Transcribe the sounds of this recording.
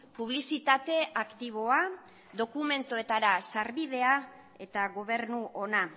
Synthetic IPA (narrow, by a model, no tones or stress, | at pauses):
puβ̞lisit̪at̪e̞ʔakt̪iβ̞o̞a | d̪o̞kume̞nt̪oe̞t̪aɾasaɾβið̞e̞a | e̞t̪aɣo̞β̞e̞ɾnuʔo̞na